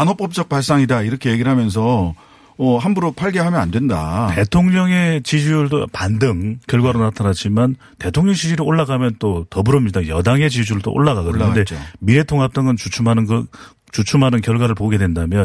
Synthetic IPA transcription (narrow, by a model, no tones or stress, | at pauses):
anɦop͈ʌp̚t͡ɕ͈ʌk̚paɭs͈aŋidaiɾʌkʰe̞je̞ɡiɾɦamjʌns̬ʰʌ | ʌɦambuɾopʰaɭɡeɦamjʌnandwe̞ndate̞tʰoŋɲʌŋe̞t͡ɕid͡ʑuɭdopandɯŋkjʌɭɡwaɾonatʰanat͡ɕ͈iman | te̞tʰoŋɲʌŋɕʰid͡ʑiɾɯoɭːaɡamjʌnt͈otʌbɯɾʌmɲidajʌdaŋe̞t͡ɕid͡ʑuɾɯɭto̰ʔo̰ɭːaɡaɡɯɾde̞miɾe̞tʰoŋɦap̚t͈aŋɯnt͡ɕut͡ɕʰumɦanɯnʌ | t͡ɕut͡ɕʰumɦanɯnkjʌɭɡwaɾɯɭpoɡe̞dwe̞ndamjʌn